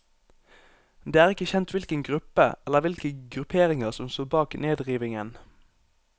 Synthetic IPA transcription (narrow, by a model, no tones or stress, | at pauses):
d̪eːæːʁɪkəçɛnt̪ʋɪlkəŋɡʁʉpə̰ɛləʁʋɪlkəɡʁʉpʰeːʁɪŋəʁsɔmst̪oːbɑːkneːd̪ʁiːʋɪŋən